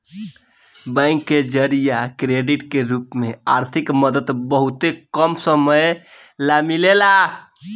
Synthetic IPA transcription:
bãɪ̃ŋkːed͡ʒəɾijakɾeɖiʈkeɾupmea̰ɾt̪ʰikməd̪əd̪bəɦut̪ekəmsəməjlamilela

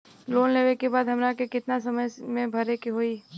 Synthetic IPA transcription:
loːnleːʋekebaːd̪ɦɐmɾakekɪt̪nasɐməjmẽbʱɐɾekeɦoːi

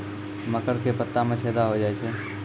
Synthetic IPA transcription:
məkəɾkepət̪ːamẽt͡ʃʰeːd̪aɦod͡ʒaːet͡ʃʰeː

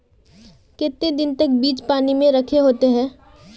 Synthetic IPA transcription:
kɪt̪ːed̪ɪnt̪ɐk̚biːt͡ʃpaːnimẽɾɐkʰeɦoːt̪eɦɛ̃ː

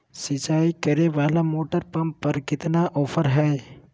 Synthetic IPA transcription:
sɪt͡ʃaːikɐɾeʋaːlamoːʈəɾpɐmppːəɾkɪt̪naʔɔːpʰəɾɦɛː

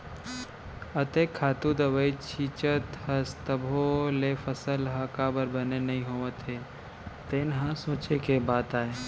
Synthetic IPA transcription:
ət̪eːkʰːaːt̪ud̪əʋəit͡ʃʰiːt͡ʃət̪hɐst̪əbʱolefəsəlɦakabəɾbənenɐɦĩɦoːʋət̪ɦeː | t̪enɦãsoːt͡ʃekebaːt̪aːe

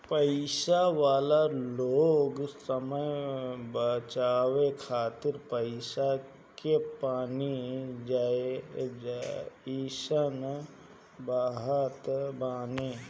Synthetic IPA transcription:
pəɪʃaʋaːlaloːɡsəməjbət͡ʃaːʋekʰaːt̪ɪɾpəɪʃa | kepaːnid͡ʒaed͡ʒaiʃən | baːɦət̪baːne

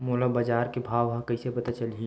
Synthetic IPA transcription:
moːlabaːd͡ʒaːɾkebʱaːʋakɐɪsepɐt̪at͡ʃɐlɦi

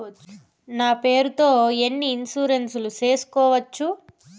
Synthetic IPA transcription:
naːpeːɾut̪o̞ːenːiːnsuːɾensulut͡ʃe̞ːsu̥kɔːʋɐt͡ʃːu

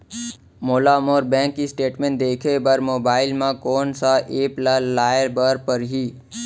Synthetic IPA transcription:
moːlamoːɾbɛ̃ːŋkːisʈeːʈmẽːɳʈd̪eːkʰebəɾmoːbaːɪlmãkɔːnsaʔeːplalaːəɾbəɾpəɾɦiː

